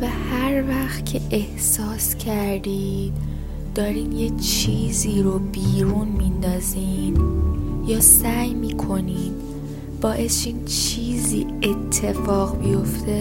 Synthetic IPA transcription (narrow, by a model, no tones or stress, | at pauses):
væhæɾvæxt̪cʰe̞ʔehsɒːscʰæɾd̪iːd̪̥ | d̪̥ɒːɾiːnjet͡ʃʰiːziːɾobiːɾuːnmind̪ɒːziːn | jɒːsæjmiːkʰo̞niːn | b̥ɒːʔe̞sʃiːnt͡ʃʰiːziːe̞t̪ʰːe̞fɒːɣbijo̞ft̪ʰe̞